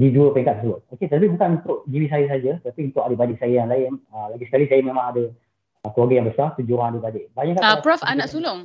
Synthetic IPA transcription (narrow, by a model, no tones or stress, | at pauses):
diduəpɛŋkat̪̚səsəbʊt̪̚oket̪aap̬ibukanunt̪ʊʔd͡ʒiwis̬ajəs̬ad͡ʒət̪ət̪apiunt̪ʊʔadəbadɪʔ̚sajəjanlaɪnəlaɡisə̥kalisajəmẽmãŋadə | kəlwaɡajaŋbəsart̪ud͡ʒuɾaŋadəbadɪʔ̚baɲaʔkːapɾɔfanaʔsulʊŋ